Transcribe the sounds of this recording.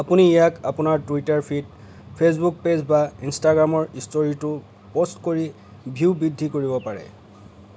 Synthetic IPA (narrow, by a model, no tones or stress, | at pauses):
apuniijakapʊnaɹtuitaɹpʰit̚ | pʰes̬buk̚pezbainstaɡɹamɔɹistoɹitʊ | postkoɹi | bʱiwbidʱːikoɹibɔpaɹɛ̰